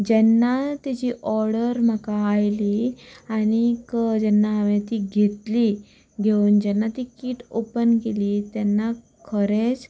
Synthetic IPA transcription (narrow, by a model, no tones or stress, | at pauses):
d͡ʑɛnːat̪id͡ʑiːʔɔɾɽəɾm̤əkaːjliañikəd͡ʑɛnːaaʋẽt̪iːɡʱet̪li | ɡʱeuːnd͡ʑɛnːat̪iːkiːʈopənkeliːt̪ɛnːa | kʰəɾet͡s